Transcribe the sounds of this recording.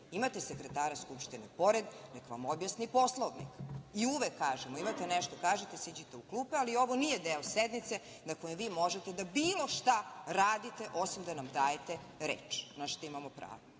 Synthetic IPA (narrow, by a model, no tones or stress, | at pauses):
imat̪esekɾet̪aːɾaskupʃt̪inepo̞ɾed̪nekʋa̰mobjasnipo̞slˠoʋnḭkiuʋekʰːaːʒemoimat̪eneʃt̪okaːʒet̪esid͡ʑit̪eukluːpealio̞ʋo̞nijed̪eːosed̪nit̪se̞ | nakojemʋiːmo̞ʒet̪ed̪abiːlo̞ʃt̪aɾaːd̪it̪eʔo̞simd̪anamd̪aːjet̪e | ɾḛːt͡ʃnaʃt̪oimamopɾa̰ːʋo